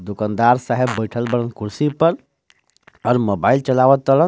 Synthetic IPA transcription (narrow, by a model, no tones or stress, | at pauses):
d̪ʊkand̪aːɾsaɦebːəɪʈʰəlbəɽənkuɾsipəɾ | ɔːɾmoːbaːɪlt͡ʃəlaːʋət̪ːələ